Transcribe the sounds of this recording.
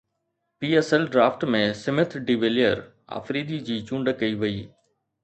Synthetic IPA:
piːɛːsɛlɖɾaːfʈmẽsɪmɪt̪ʰɾɖiʋeːlijəɾ | a̰ːfɾiːd̪id͡ʑiːt͡ɕũːɳɖəkɐiʋɐiː

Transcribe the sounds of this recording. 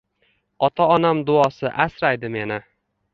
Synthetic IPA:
ɒt̪ʰaɒnamd̪ʊɒsɪʔasɾajd̪ɪme̞nɪ

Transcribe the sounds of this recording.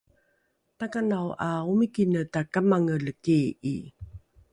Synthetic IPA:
takanawʔaumikinətakamaŋələkei

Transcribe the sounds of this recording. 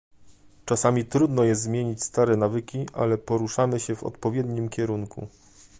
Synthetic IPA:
t͡ʂasamʲit̪ɾud̪nɔjɛst̪zmʲjeɲit͡ɕst̪aɾɛnavɘkʲiʔa̰lɛpɔɾuʂamɘɕɛvɔ̰t̪pɔvʲjɛd̪ɲimkʲɛɾuŋkʰṵ

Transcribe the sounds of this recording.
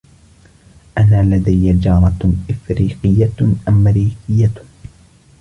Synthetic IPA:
ʔanaːlad̪ajːad͡ʒɑːɾˤɑʔɪfɾiːqɪjːaʔamːɾiːqɪjːa

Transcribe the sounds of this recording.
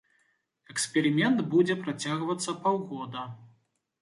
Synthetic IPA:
ɛkspʲɛɾɨmʲɛnd̪bud͡zʲɛpɾat͡sʲaɣvɐt̪sːɐpawɣɔd̪ɐ

